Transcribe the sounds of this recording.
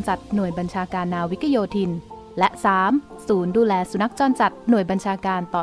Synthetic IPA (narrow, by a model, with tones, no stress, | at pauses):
nsa˨˩t̪̚nu˨˩əjba˧nt͡ɕʰaː˧kaː˧nːaː˧wi˦˥k̪ʰa˧joː˧t̪ʰi˧n | lɛ˦˥ʔsaː˩˦m | suː˩˦nduː˧lɛː˧su˨˧˦na˦˥k̚t͡ɕɔː˧nsa˨˩t̪̚nu˨˩əjba˧nt͡ɕʰaː˧kaː˧nt̪ɔː˨˩